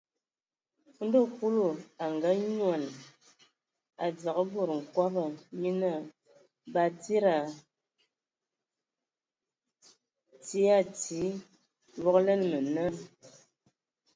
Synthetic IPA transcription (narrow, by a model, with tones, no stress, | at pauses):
n̩˦do˦˨ku˦lo˨a˨ŋɡa˦ɲwa˨n | a˨d͡za˨ɣə˦bo˦˨ɾŋ̩˨kwa˦ba˨mi˦na˦˨ | ba˨ti˦ɾa˨ | ti˦a˦˨ti˨˦ | wɔ˦klɛ˦n˨mə˨na˦